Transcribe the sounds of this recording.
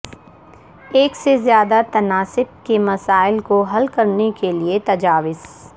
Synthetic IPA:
eːksezjaːd̪at̪ɐnaːsɪb̚kemɐsaːɪlkoɦɐlkɐɾnekeliet̪ɐd͡ʒaːʋɪz

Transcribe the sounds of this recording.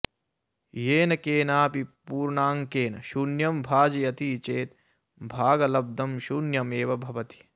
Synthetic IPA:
jeːnɐkeːnaːpipuːɾɳaːŋkeːnɐʃunjɐmbʱaːd͡ʒɐjɐt̪it͡ʃeːt̪ | bʱaːɡɐlɐb̚d̪ʱɐmʃuːnjɐmeːʋɐbʱɐʋɐt̪i̥

